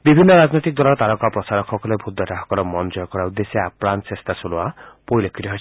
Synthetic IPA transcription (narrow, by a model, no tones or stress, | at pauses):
bibʱinːɔɾad͡ʒnojt̪ik̚d̪ɔalɔɾt̪aɾɔkapɾɔsaɾɔkʰɔkɔlebʱud̪ʱːɔʈaɦɔkɔɾɔmɔnd͡ʒɔjɔkɔɾaud̪ːeseapɾansest̪ʰasuloapojlekʰiɾiɦɔ